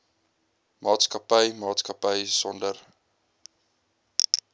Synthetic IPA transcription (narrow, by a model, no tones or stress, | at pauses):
mɑːtskɐpəjmɑːtskɐpəjsɔndər